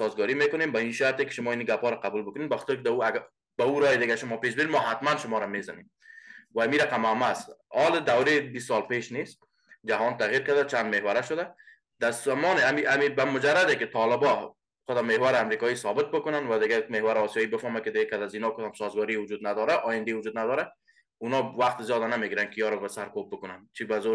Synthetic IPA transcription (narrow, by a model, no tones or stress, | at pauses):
sɔzɡɔɾimekʊnembaiʃaɾt̪ekɪ̥ʃʊmɔiniɡapɔɾaqabulbʊkʊnenbaxɔ̥t̪ɪɾkɪd̪auaɡ | bauɾɔjɪd̪ɪɡaʃʊmɒpeʃ̬bɪinmɔɦat̪manʃʊmɔɾamezanem | waːmiɾaqamamasɒlɪd̪awɾebistːɔlpeʃnes | d͡ʒaɦɔnt̪aɣjiɾkad̪at͡ʃand̪mehwaɾaʃʊd̪a | d̪̥asamɔnɪamiʔamibamʊd͡ʒaɾad̪ekɪt̪ʰɔlɪbɔ | χʊd̪ɔmehwaɾɪamɾikɔisɔbɪt̪̚bʊkʊnanwad̪ɪɡamehwaɾɪɔsijɒibɪfɔmakɪd̪ɪɡakad̪azinɔkʊd̪ɔmsɔzɡɔɾiwʊd͡ʒud̪nad̪ɔɾaʔɔjɪnd̪ewʊd͡ʒud̪̚nad̪ɔɾa | unɔwaqt̪ɪzjɒd̪anameɡiɾankɪijɔɾɔbasaɾkob̚bʊkʊnant͡ʃʰibazo